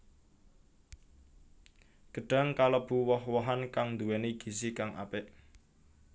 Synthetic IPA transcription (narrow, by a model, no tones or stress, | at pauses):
ɡ̥ə̤ɖ̥a̤ŋkaləb̥ṳwɔhwɔɦankaŋnd̪uwɛniɡ̥i̤sikaŋa̰pɪʔ